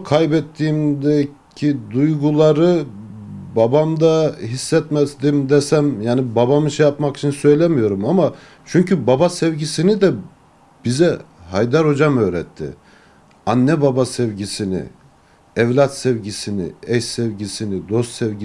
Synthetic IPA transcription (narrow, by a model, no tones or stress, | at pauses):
kʰajbɛt̪ʰːiːmd̪ɛ | cʰid̪ujɡulˠaɾɯ | babamd̪aɦisːɛt̪mɛzd̪imd̪ɛsæmjaːnibabamɯʃɛjapmakit͡ʃʰinsø̞jlʲɛmijo̞ɾumama | t͡ʃʰyɲcybabasɛvɟisinid̪ɛ | b̥izɛ | ɦajd̪aɾho̞d͡ʒamø̞ːɾɛt̪ʰːɪ̰ | anːɛbabasɛvɟisinɪ̰ | ɛvlʲat̪sɛvɟisinḭɛʃsɛvɟisinid̪o̞st̪sɛvɟi